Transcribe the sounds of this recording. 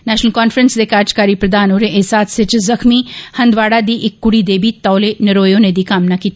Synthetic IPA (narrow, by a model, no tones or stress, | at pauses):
nɛːʃnəlkɔːnfɾənsd̪eːkaːd͡ʒkaːɾipɾɐd̪aːnoːɾeʔesaːt̪ʰsɪt͡ʃzɐxmihɐ̃nd̪ʋaːɽad̪iʔɪkːʊɽid̪eːbit̪aːlenɐɾoːjõned̪iːkaːmnakiːt̪a